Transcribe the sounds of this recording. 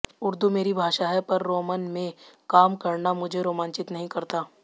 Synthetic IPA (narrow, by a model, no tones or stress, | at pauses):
ʊɾd̪umeːɾibʱaːʃaːɦɛpɐɾːoːmənmẽkaːmkɐɾnamʊd͡ʒʱeɾoːmãːnt͡ʃɪt̪nɐɦĩkɐɾt̪aː